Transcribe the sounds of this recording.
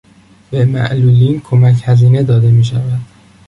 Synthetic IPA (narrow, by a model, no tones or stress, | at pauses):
b̥e̞mæ̰ʔluːliːnkʰo̞mæcʰhæziːne̞d̪ɒːd̪e̞miːʃ̬ævæd̪̥